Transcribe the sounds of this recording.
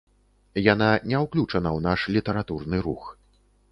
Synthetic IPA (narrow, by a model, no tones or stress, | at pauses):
jan̪anʲɛwklʲut͡ʂɐnɐwnaʂlʲit̪ɛɾat̪urnɨɾux